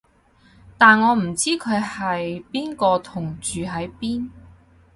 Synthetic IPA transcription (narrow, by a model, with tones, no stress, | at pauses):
t̪aː˨nŋɔː˨˧m̩˨˩t͡siː˥kʰɵ˨˧ɥhɐ˨jpiː˥nkɔː˧t̪ʰʊ˨˩ŋt͡ʃyː˨ɦɐ˨˥jpiː˥n